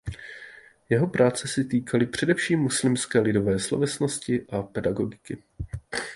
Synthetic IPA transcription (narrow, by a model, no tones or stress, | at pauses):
jɛɦo̞pɾʔaːt͡sɛsɛt̪iːkʰalɪpr̝̥ɛdɛfʃiːmːuslɪmskɛːlɪdo̞vɛːslovɛsno̞scɪʔapɛdaɡo̞ɡɪkɪ